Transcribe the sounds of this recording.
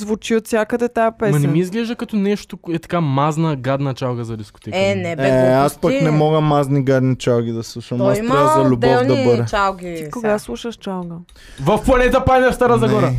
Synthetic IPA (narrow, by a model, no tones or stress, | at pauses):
zvut͡ʃiot̪sʲjakəd̪ɛt̪apɛmɐnɛmiizɡlɛʒd̪əkɐt̪ɔnɛʃt̪oɛt̪ɐ̥kamaznɐɡad̪nɐt͡ʃawɡəzɐd̪iskʊ̥t̪iɛnɛbɛaspaknɛmɔɡəmazniɡad̪nit͡ʃawɡʲid̪ɐslˠuʃɐmaskazɐlʲʊb̪ɔɐbɐɾɛt͡ʃawɡʲikoɡaslˠuʃəʃt͡ʃawɡə | vɐfplˠɐnɛt̪əpad̪inɛfst̪aɾazɐɡɔɾɐ